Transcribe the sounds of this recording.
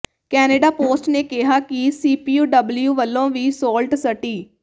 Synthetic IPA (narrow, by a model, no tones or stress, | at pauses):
kɛːneːɖaːpoːsʈneːkɪɦaːkɪsiːpiːuːɖəbljuːʋəlːõːʋiːsoːlʈsəʈiː